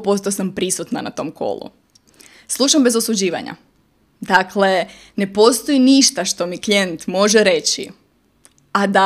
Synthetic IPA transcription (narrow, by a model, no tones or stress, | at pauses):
po̞st̪osampɾisut̪nanat̪o̞mkʰo̞̰lˠṵ | slˠuʃambe̞zosud͡ʑiːʋa̰ɲa̰ | d̪akle̞ | ne̞po̞st̪o̞iniʃt̪aʃt̪o̞miklʲje̞nt̪mo̞ʒeɾe̞t͡ɕḭ | ad̪a